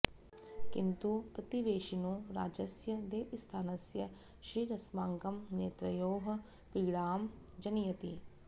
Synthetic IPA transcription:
kɪnt̪upɾɐt̪iʋeːʃinũːɾa̰ːd͡ʒəsjəd̪eːʔst̪ʰaːnəsjə | ʃɾiːɾɐsmãːŋkəmneːt̪ɾəjoːɦ | piːɡɽaːm | d͡ʒənijət̪iː

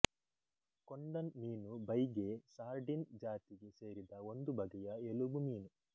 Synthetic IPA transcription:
koɳɖɐnmiːnubɐjɡe̞saːɾɖind͡ʒaːt̪iɡe̞se̞ːɾid̪ɐo̞nd̪ubɐɡɛjɐelubumiːnu

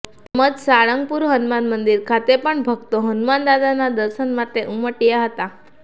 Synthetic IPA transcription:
t̪əməd͡zsaɭəŋɡ̚puɾɦənmanmənd̪iɾkʰat̪epəɳbʱəɡt̪oɦənmand̪ad̪anad̪əɾsənmat̪eʔuməʈijaɦət̪a

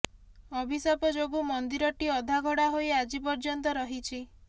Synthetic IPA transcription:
ɔbʱisapɔd͡ʒoɡumɔnd̪iɾɔʈiɔd̪ʱaɡʱɔɽaɦojad͡ʒipɔɾd͡ʒɔnt̪̬ɔɾɔɦit͡ʃʰi

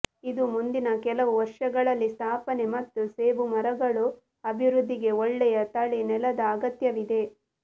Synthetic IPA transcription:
id̪umund̪inɐkɛlɐʋuʋɐɾʂɐɡɐɭɐlːist̪ʰaːpɐne̞mɐt̪ːuseːʋumɐɾɐɡɐɭu | ɐbʱiʋɾud̪ʱːiɡe̞ɔɭːɛjɐt̪ɐɭinɛlɐd̪ɐːɡɐt̪jɐʋid̪e̞

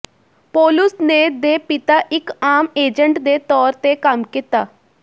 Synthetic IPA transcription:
poːlʊsnẽːd̪eːpɪt̪aːʔɪkaːmeːd͡ʒəɳʈd̪eːt̪ɔːɾt̪ekəmkit̪aː

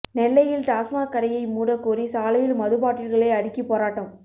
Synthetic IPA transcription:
nɛlːɐjɪlt̪aːsmaːkːɐɽɐjɐɪmuːɽɐkːuːɾisaːlɐjɪlmɐðɯbaːʈːɪɾɣɐɭɐɪɐɽɪkːipːoːɾaːʈːɐm

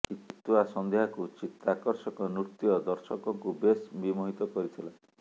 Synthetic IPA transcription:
ikit̪uasɔnd̪eɦakut͡ʃit̪ːakɔɾsɔkɔnut̪iɔd̪ɔɾsɔkɔŋkubesbimɔɦit̪ɔkɔɾit̪ʰila

